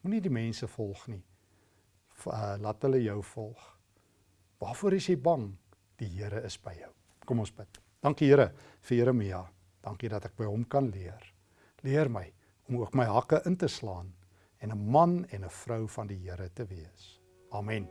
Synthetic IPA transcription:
munidimɛnsəfɔlˠχni | əlɑːtələjœwfɔlˠχ | v̥ɑːfuəɾəsjəjbɐŋ | d̥iɦiəɾəəsbəjœw | kɔmɔnsbət̚ | d̥ɐŋkiɦiəɾə | fiəɾəmiɑ | d̥ɐŋkidɐtək̚bəjɦɔmkɐnliər | liərməj | ɔmuəkməjɦɐkəʔəntəslɑːn | ɛnəmɐnɛnəfrœwfɐndiɦiəɾətəviəs | ɑːmɛn

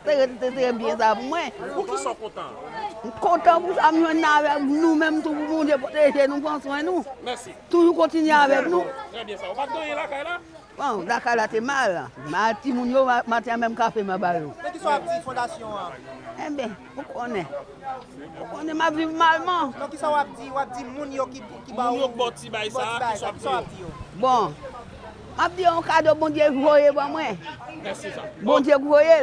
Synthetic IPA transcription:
seetetes̬eebjɛ̃s̬ap̬umwɛ̃ukisɔ̃kɔ̃t̪ɑ̰̃kõtãpusamɔ̃nãvɛknũmɛ̃mtupumũdep̬oteʒenũfãsɔ̃ɛnũmɛsituʒukɔ̃tinɥeavɛknũtɛbjɛ̃saopad̪ɔ̃jelakajla | bɔ̃lakajlatemala̰matimũnjoamatɛ̃ãmɛ̃mkafɛmãbajokisifɔ̃d̪asjɔ̃aɛ̃bɛ̃ | okʰonɛ̃ | okonɛ̃mapvivmalmãnɔ̃kisaoap̚d͡ziwap̚dimũnjokikimaũnjobɔ̃tibajsaibaskisawap̚diobɔ̃ | map̚dioɔ̃kadobõdjeɡuojebamwɛ̃sesabɔ̃djeɡuoje

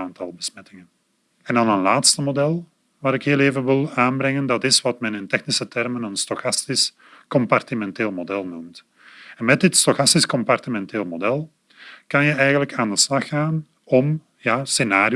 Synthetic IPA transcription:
aːntɑlˠbəsmɛtɪŋən | ɛndɑnənlaːtstəmodɛlˠ | ʋaːɾɪkheːlˠeːvənʋɪlˠaːnbɾɛŋəndɑtɪsʋɑtmɛnɪntɛxnisətɛrmənənstoxɑstis | kɔmpɑrtimɛnteːlˠmodɛlˠnumt | ɛnmɛt̚dɪtstoxɑstiskɔmpɑrtimɛnteːlˠmodɛlˠ | kɑnjəɛjɣənləkaːndəslɑxaːn | ɔm | jaːsenaːɾ

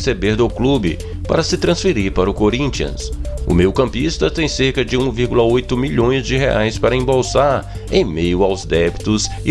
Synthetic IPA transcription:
sebeɾd̪ʊklubɪ̰ | pa̰ɾɐsɪt̪ɾɐ̃sfeɾiɾpaɾʊkoɾĩnt͡ʃiɐ̰̃sʊ̰mewkɐ̃mpist̪ɐt̪ẽj̃seɾkɐd͡ʒɪũviɾɡulɐojt̪ʊmiʎõj̃zd͡ʒɪɦea̰jspaɾɐẽbowsaɾ | ẽj̃mejʊawzd̪ɛbit̪ʊz | ɪ

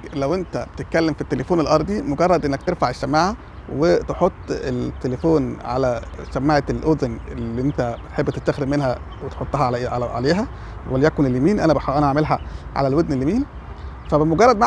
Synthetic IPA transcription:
læwʔent̪æb̥et̪et̪̚kælːemfit̪ːelefoːnelʔɑɾˤd̪ˤimoɡɑrˤːɑd̪ʔenːæk̚t̪eɾfaʕeʃːæmːaʕæ | wet̪eħot̪ˤːet̪ːelefoːnʕa̰læsæmːaʕelʔoznelːiʔent̪æbet̪ħebːt̪et̪t̪ːæxɾemenɦæ | wet̪ħot̪ˤːɑɦɑʕa̰leːɦæ | wæljækonelːemiːnʔænæbʔænæaʕmelɦæʕa̰lælwod̪nelːemiːn | fæbemoɡɑrˤːɑd̪maʕ

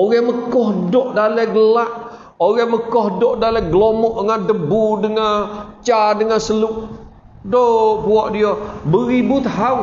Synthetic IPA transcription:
oɣɛməkɔhdɔʔdalɛɡəlaʔ | oɣɛməkɔɦdɔʔdalɛɡəlomɔʔəŋandəbudəŋat͡ʃadəŋansəluʔ | dopuɔʔdiɔbəɾibʊt̪ha

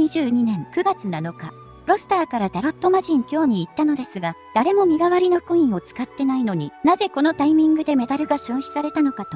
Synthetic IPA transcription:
ɲiʑɨːɲ̟inẽ̞ŋkɯ̟ɡat͡sɨnano̞ka | ɾo̞sɨ̥t̪aːkaɾat̪aɾot̪ːo̞maʑĩŋkʲo̞ːɲ̟iːt̪ːano̞d̪e̞sɨɡad̪̥aɾe̞mo̞mʲiɡaβaɾʲinokɯĩɰ̃o̞t͡sɨ̥kat̪ːe̞naino̞ɲ̟inaze̞ko̞no̞t̪aimʲĩŋɡɯ̟d̪e̞me̞d̪aɾɯ̟ɡaɕoːçi̥saɾe̞t̪ano̞kat̪o

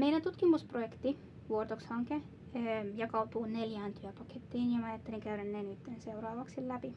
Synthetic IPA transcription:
meilænt̪ut̪kimusprojekt̪i | ʋuort̪okshɑŋke | ømjɑkɑut̪uːneljæːnt̪yæpɑket̪ːiːnjɑmɑjɑt̪ːeliŋkæyrænːeːnyt̪ːenseurɑːʋɑksillæpi

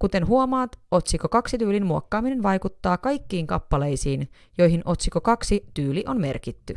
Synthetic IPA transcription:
kut̪e̞nɦuomɑːt̪o̞t̪ʲsiko̞kɑksit̪yːlinmuokːɑːmine̞nʋɑjkut̪ːɑːkɑjkːiːŋkɑ̰pːɑle̞jsiːn | jo̞jɦinʔo̞t̪ʲsiko̞kɑksit̪yːliʔo̞nme̞̰rkit̪ːy

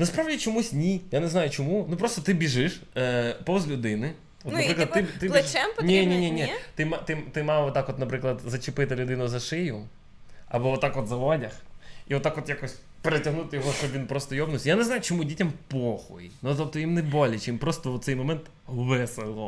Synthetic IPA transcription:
nɐspɾaʋdʲit͡ʃɔmusʲnʲijanɛznajʊt͡ʃɔmunupɾɔst̪ɔt̪ɪbʲiʒɪʃpɔwzlʲʊd̪ɪnɪ | ɔt̪nɐpɾɪklɐd̪ɪt̪ɪlʲt͡ʃɛmnʲinʲinʲinʲit̪ɪmt̪ɪt̪ɪmɑwʋɔt̪akɔt̪nɐpɾɪklˠɐd̪zɐt͡ʃɪpɪt̪ɪlʲʊd̪ɪnʊzɐʃɪjʊ | ɐ̰bɔʋɔt̪akɔt̪zɐʋɔdʲɐxiɔt̪ːakɔt̪jakɔsʲ | peɾetʲɐɦnut̪ɪjɔɦɔʃt͡ʃɔbʋʲinpɾɔst̪ɔjɔbnʊsʲjanɛznajʊt͡ʃɔmudʲitʲɐmpɔxɔ̰jinɔt̪ɔp̚t̪ɔjimnɛbɔlʲɪt͡ʃɪmpɾɔst̪ɔɔt̪sɛjmɔmɛnt̪ | ʋɛselˠɔ

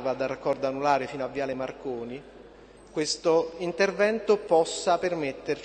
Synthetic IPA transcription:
vad̪arakːɔrd̪anːulaːɾɪfiːnoavːjaːlɪmarkoːni | kwest̪oint̪ervɛnt̪opɔsːapermet̪ːer

